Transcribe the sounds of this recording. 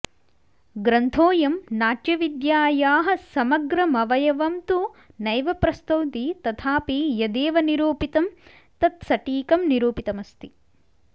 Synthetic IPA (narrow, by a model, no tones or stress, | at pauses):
ɡɾɐnt̪ʰoːjɐmnaːʈjɐʋid̪jaːjaːɦɐ̆sɐmɐɡɾɐmɐʋɐjɐʋɐmt̪unɐjʋɐpɾɐst̪ɐwt̪it̪ɐt̪ʰaːpijɐd̪eːʋɐniɾuːpit̪ɐm | t̪ɐt̪sɐʈiːkɐmniɾuːpit̪ɐmɐst̪i